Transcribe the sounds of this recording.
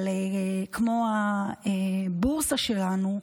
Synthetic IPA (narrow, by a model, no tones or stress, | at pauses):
lekʰmo̞a | buʁsaʃelanu